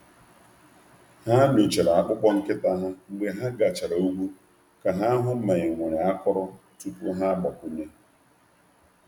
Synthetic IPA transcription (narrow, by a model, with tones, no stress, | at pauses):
ha˦m˨o˨t͡ʃe˨ɾa˨a˦k͡pʊ˦kʷɔ˦ŋ̩˦kɪ˦ta˦ɦa˦ŋ͡m̩˦ɡ͡be˦ɦa˦ɡa˨t͡ʃa˨ɾa˨u˦ɡʷu˦ | ka˨ɦa˦ɦʊ˦m̩˦me˨ɲɪ˨ŋʷe˨ɾe˨a˦kɔ˦ɾɔ˦ | tu˦pu˦ɦa˦ɡ͡ba˨kʷu˦ɲe˦